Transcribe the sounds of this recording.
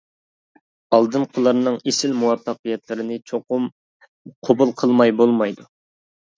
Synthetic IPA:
ɑlˠd̪ɨnqʰəlˠɑɾnɨŋesɪlmuwɑpːɑqəjɛt̪lɪɾɪnɪt͡ʃʰoqʊm | qʰobulˠqʰəlˠmɑjbolˠmɑjd̪u

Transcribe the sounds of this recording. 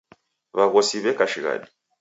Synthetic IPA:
βaɣɔsiβɛkaʃiɣa̰di

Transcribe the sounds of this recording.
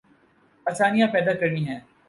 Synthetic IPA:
ɐsaːnijãpɛːd̪akɐɾnĩːɦɛ̃ː

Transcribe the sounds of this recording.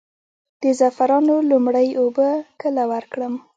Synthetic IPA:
d̪̥əzafaɾɑnolʊmɽəjʔobəkəlawaɾkɽəm

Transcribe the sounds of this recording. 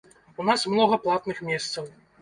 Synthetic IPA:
unasmnɔɣɐplˠat̪nɨxmʲɛst̪sɐw

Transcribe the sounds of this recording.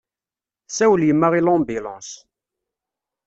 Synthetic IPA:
sæwəljəmːaʁilɑ̃mbilɑ̃s

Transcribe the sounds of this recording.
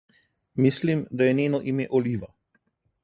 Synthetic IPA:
mislimd̪ajɛneːnɔʔimeʔɔliːʋa

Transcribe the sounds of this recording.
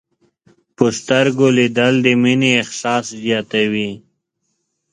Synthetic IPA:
pəst̪aɾɡolid̪əld̪əmineːxsɑːszjɑt̪awi

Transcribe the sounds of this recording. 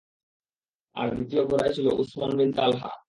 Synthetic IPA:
a̰ɾbit̪ijobʱoɾajt͡ɕʰilo̰ʔusmanbint̪alɦa̰

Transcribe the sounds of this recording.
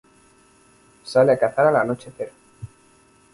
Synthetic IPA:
saleakaθaɾalanot͡ʃeθeɾo

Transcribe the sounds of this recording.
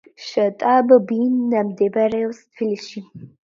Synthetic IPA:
ʃɐt̪ʼabbinːamd̪ɛbaɾɛɔst̪ʰbiliʃi

